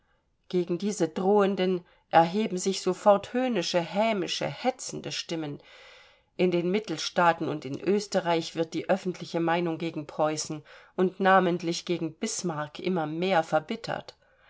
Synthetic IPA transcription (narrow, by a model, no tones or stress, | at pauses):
ɡ̥eːɡŋ̩diːzədʁoːəndən | ʔɛɐɦeːbm̩zɪçz̥ofɔɐthøːnɪʃəhɛːmɪʃə̰hɛt͡sn̩dəʃtɪmən | ʔɪndeːnmɪtl̩ʃtaːtn̩ʊntɪnʔøːstəʁaɪçv̥ɪɐt̚d̥iːʔœfn̩tʰlɪçəmaɪnʊŋɡeːɡŋ̩pʁ̥ɔʏsn̩ʔʊntnaːməntlɪçɡ̥eːɡŋ̩b̥ɪsmaɐkʔɪ̰mɐmeːɐfɛɐbɪtʰɐ̰t